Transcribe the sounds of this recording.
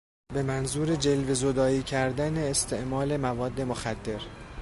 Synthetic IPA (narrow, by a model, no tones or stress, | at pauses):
be̞mænzuːɾe̞d͡ʒe̞lvezo̞d̪ɒːiːcʰæɾd̪æne̞ːst̪ʰe̞ʔmɒːle̞mævɒːd̪ːe̞moxæd̪ːe̞ɾ